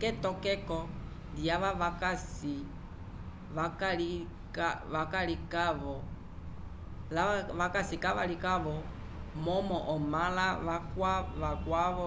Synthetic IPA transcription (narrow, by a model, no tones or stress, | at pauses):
kɛtɔkɛkɔ | dijaʋaʋakasi | ʋakali | kaʋakalikaβɔ | laʋakasikaʋa̰likaβɔ | mɔmɔʔɔmalaʋakwaʋakwaβɔ